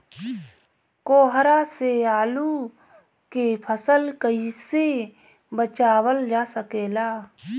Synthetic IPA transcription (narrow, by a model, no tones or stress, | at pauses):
koːɦɾaseaːlu | kepʰəsəlkəise | bət͡ʃaːwəld͡ʒaːsəkeːlaː